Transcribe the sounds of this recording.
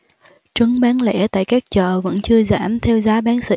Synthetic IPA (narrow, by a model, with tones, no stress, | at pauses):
t͡ɕə˨˦ŋɓaː˨˦nlɛ̰˧˥t̪a̰ː˧˨jkaː˦˥k̚t͡ɕəː˨˩və̰˧˥nt͡ɕɨ˧əza̰ː˧˩mt̪ʰɛ˧wzaː˨˦ɓaː˨˦nsɨ̰˧˨